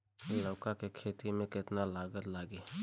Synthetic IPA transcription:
ləʊkakekʰeːt̪imẽkɪt̪nalaːɡət̪laːɡe

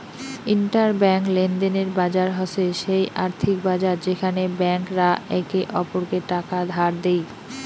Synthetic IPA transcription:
inʈaɾbɛŋklend̪eneɾbad͡ʑaɾɦɔseʃejʔaɾt̪ʰik̚bad͡ʑaɾd͡ʑekʰanebɛŋkɾaɛkeʔɔpoɾkeʈakad̪ʱaɾd̪ej

